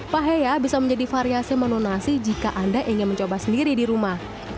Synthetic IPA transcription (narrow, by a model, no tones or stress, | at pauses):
paɦejabisaməɲd͡ʒadifaɾiasimanonasid͡ʒikaʔandaʔiŋɪnməɲt͡ʃobasəndiɾidiɾumah